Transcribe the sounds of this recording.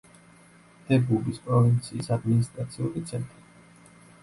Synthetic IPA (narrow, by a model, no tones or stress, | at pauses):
d̪̥ɛbubispʼɾɔvint̪sʰiːsad̪minist̪ʼɾat̪sʰiuɾit̪sʰɛnt̪ʼɾi